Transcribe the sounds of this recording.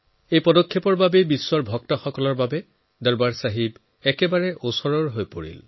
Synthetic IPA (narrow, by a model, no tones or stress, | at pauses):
ejpɔdɔkʰːepɔɹbabejbiswɔɹbʱɔk̚tɔxɔkɔlɔɹbabɛ | dɔɹbaɹsaɦib | ɛkɛbaɹɛʔosɔɹɔɹɦojpoɹḭl